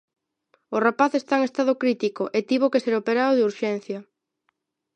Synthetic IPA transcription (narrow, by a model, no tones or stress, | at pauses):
orapaθest̪aeŋest̪aðʊkɾit̪ikoʔet̪iβokeseɾopeɾaðoðuɾʃen̟θjɐ